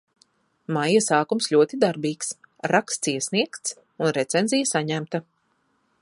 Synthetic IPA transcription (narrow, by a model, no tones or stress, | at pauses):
majasaːkumslʲuɔt̪id̪aɾbiːksɾakst̪siɛsniɛkt̪s | unɾɛt̪senzʲijasaɲæmt̪a